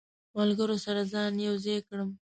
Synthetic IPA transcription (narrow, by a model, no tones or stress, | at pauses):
malɡəɾosaɾazɑnjawzekɽəm